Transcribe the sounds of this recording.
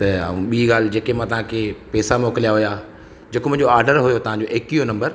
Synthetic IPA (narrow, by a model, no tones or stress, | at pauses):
t̪ɐɐ̰ũɓiːɠaːl̤ɪ̆d͡ʑeːkemãt̪ɐʋ̤ãkʰeːpɛːsamoːkɪlijaɦʊjaː | d͡ʑeːkomʊ̃ɦɪ̃ɲd͡ʑoaːɾɖəɾɦʊjot̪ɐʋ̤ãɲd͡ʑoʔeːkijonɐ̃mbəɾ